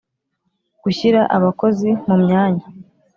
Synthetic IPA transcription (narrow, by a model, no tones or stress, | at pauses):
ɡ̥uçiɾaʔaβako̞zimumɲaːɲa